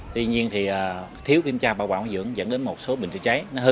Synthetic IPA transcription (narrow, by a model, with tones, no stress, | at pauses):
t̪wi˧ɲi˧ənt̪ʰi˨˩ʔəː˨˩t̪ʰi˨˦əwki˧mt͡ɕaː˧ɓaː˧waː˧˩wzɨ̰˧˨˥əŋzə̰˧˥nɗe˨˦nmo˨˩t̚so˨˦ɓï˨˩ŋ̟t͡ɕt͡ɕa˨˦jnɔ˨˦ɦɨ˨˦